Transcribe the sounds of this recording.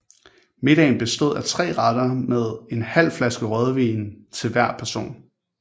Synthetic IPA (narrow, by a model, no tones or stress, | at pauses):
me̝d̥ɛ̰ɪn̩b̥e̝sd̥o̝ð̞̰ˠæt͡sʰʁɛ̰ːʁɑd̥ɐmeð̞ˠe̝nhæl̰flæsɡ̥əʁœð̞ˠʋiːnt͡sʰe̝lʋæɐ̰pʰæɐso̝̰ːn